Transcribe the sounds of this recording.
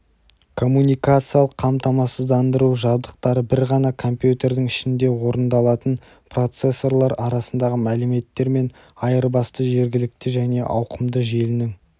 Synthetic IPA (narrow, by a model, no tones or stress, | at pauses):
kʰo̞mːunijkat̪sɨjalˠəqʰːɑmt̪ɑmɑsəzd̪ɑnd̪əɾuʒɑbd̪əq̚t̪ɑɾəbɪɾʁɑnɑkʰo̞mpjut̪e̞ɾd̪ɪŋɪʃɪnd̪e̞wo̞ɾənd̪ɑlˠɑt̪ən | pʰro̞t̪se̞sːo̞rlˠɑɾɑɾɑsənd̪ɑʁəmælɪme̞t̪ːe̞ɾme̞n | ɑjəɾbɑst̪əʒe̞ɾɡʲɪlɪk̚t̪ɪʒæne̞ʔɑ̰wqəmd̪əʒe̞lɪnɪŋ